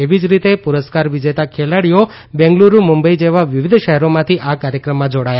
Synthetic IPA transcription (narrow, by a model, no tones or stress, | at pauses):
eʋid͡ʒɾit̪epuɾəskaɾʋid͡ʒet̪akʰelaɽijo | bɛ̃ŋɡluɾumumbəid͡ʒeʋaʋiʋɪd̪ʱʃəɦɛɾomãt̪ʰiʔakaɾjəkɾəmːãd͡ʒoɽaja